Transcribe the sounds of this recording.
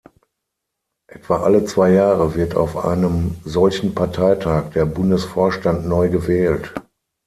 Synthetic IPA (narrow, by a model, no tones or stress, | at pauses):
ʔɛtv̥aʔalət͡sv̥aɪjaːʁəvɪɐta̰ʊfʔa̰ɪnəmzɔlçn̩pʰaɐtʰaɪtʰaːk̚d̥eːɐbʊndəsfoːɐʃtantnɔʏɡəvɛːlt